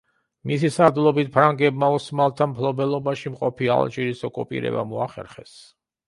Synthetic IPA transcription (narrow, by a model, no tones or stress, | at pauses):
misisaɾd̪ulˠɔbit̪̚pʰɾaŋɡɛbmausmalˠt̪ʰampʰlˠɔbɛlˠɔbaʃimqʼɔpʰia̰lˠt͡ʃʼiɾisɔkʼupʼḭɾɛ̰ba̰mɔaχɛ̰ɾχɛs